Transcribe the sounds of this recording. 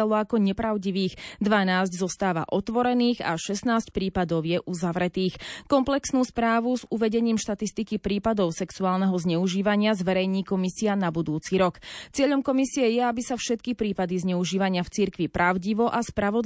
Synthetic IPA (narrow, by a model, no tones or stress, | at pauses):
alˠɔakɔɲɛpɾaʊɟiʋiːxd̪ʋanaːzɟzɔst̪aːʋa̰ʔɔt̪ʋɔɾɛniːɣa̰ʃɛsnaːsc̚pɾiːpad̪ɔʊjɛʔuzaʋɾɛt̪iːxkɔmplɛksnuːspɾaːʋuzuʋɛɟɛɲiːmʃt̪at̪ist̪ikipɾiːpad̪ɔʊsɛksuaːlnɛɦɔzɲɛuʒiːʋaɲɪazʋɛɾɛjɲiːkɔmisianabud̪uːt͡siɾɔkt͡sɪɛʎɔmkɔmisiɛjɛabisafʃɛt̪̚kipɾiːpad̪izɲɛuʒiːʋaɲɪaft͡siɾkʋipɾaʊɟiʋɔʔaspɾaʋɔd̪